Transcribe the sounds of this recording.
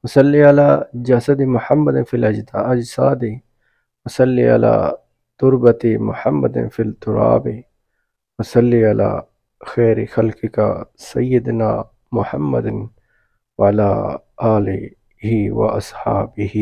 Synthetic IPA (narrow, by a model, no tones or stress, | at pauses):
wɐsɐlːiɐlaːd͡ʒɐsɐd̪ɪmʊħɐmːɐd̪ɪfilɐd͡ʒd̪aɐd͡ʒsaːd̪ɪ | wɐsɐlːia̰la̰ː | t̪ʊɾbɐt̪ɪmʊ̰ħɐmːɐ̰d̪ɪ̰nfilt̪ʊɾa̰ːbɪ | wɐsɐlːiɐla̰ː | xɛːɾɪxɐlkɪka̰sɐjːɪd̪naː | mʊħɐmːɐ̰d̪ɪn | wɐalaː | ʔaːlɪ | hiwɐ̰ʔɐ̰sħaːbɪhi